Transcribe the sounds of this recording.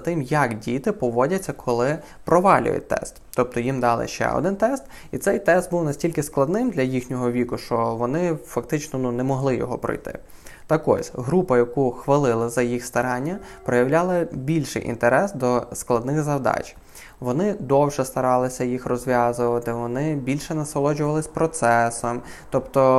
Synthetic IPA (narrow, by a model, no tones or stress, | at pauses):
t̪ɪmjɐkdʲit̪ɪpɔʋɔdʲɐt͡sʲːɐkʰɔlˠɪ | pɾɔʋɑlʲʊ̰j̰t̚ʲt̪ɛ̰st̪t̪ɔp̚t̪ɔjimd̪ɑlˠɪ̰ʃt͡ʃɛ̰ɔ̰d̪ɪnt̪ɛst̪ | it̪sɛjt̪ɛst̪buwnɐsʲtʲilʲkɪsklˠɐd̪nɪmd̪lʲɐjixnʲɔɦɔʋʲikʊʃt͡ʃɔʋɔnɪfɐkt̪ɪt͡ʃnɔnunɛmɔɦlˠɪjɔ̰ɦɔ̰pɾɔ̰jt̪ɪ̰ | t̪ɐkɔ̰sʲɦɾupɐjɐkuxʋɐlˠɪlˠɐzɐjixst̪ɐɾɑnʲːɐpɾɔjɐwlʲɑlˠɐbʲilʲʃɪ̰jʔḭnt̪eɾɛsd̪ɔsklˠɐd̪nɪxzɐwd̪ɑ̰t͡ʃʲ | ʋɔnɪd̪ɔwʒɛst̪ɐɾɑlˠɪsʲɐjixrɔzʲʋʲjɑzʊʋɐt̪ɪʋɔnɪbʲilʲʃɛnɐsɔlˠɔd͡ʒʊʋɐlˠɪsʲpɾɔt̪sɛsɔmt̪ɔpt̪ɔ